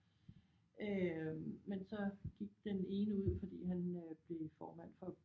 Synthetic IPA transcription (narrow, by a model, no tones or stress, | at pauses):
ø | mensɒ̽ɡ̥iɡ̥̚d̥ene̝ːnəuð̞̰ˠfɒ̽d̥ḭːɦænøb̥le̝fɒːmæn̰fɒ̽